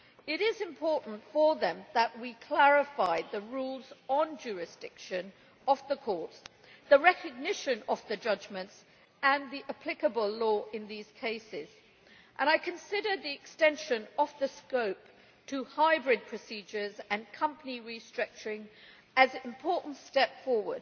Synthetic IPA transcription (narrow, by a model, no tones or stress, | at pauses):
ɪɾɪzɨ̃mpʰɔɹʔn̩tfəðə̃mðəʔwikʰl̥æɹɪfaɪðəɹulˠznd͡ʒʊɹɪsd̥ɪkʃɨ̃n | əvðəkʰɔɹts | ðəɹɛkɨɡ̚nɪʃɨ̃nəvðɨd͡ʒʌd͡ʒmɨ̃nts | ə̃nðiʔəpʰl̥ɪkəbəlˠlɔɪ̃nðiz̥kʰeɪsɪz̥ | ʔə̃ɾ̃aɪkʰɨ̃nsɪɾə˞ðiɨkstɛ̃nʃɨ̃nəvðɨskoʊp̚ | tʰəhaɪbɹɪd̚pʰɹ̥ɨsid͡ʒə˞zɨ̃nkʰʌ̃mpəniɹistɹ̥ʌk̚t͡ʃə˞ɪ̃ŋ | ɨzɪ̃mpʰɔɹʔn̩tstɛpfɔɹwə˞d̥̚